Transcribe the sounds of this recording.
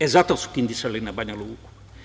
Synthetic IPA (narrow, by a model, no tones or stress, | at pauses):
ezat̪asu̥kind̪isalinabaɲaluku̥